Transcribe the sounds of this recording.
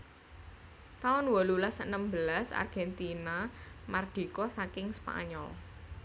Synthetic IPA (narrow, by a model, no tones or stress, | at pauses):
t̪aʊnwɔlulasənəmbəlasa̰rɡ̥ɛnt̪inamard̪̥i̤kɔsakɪŋspa̰ɲɔ̰l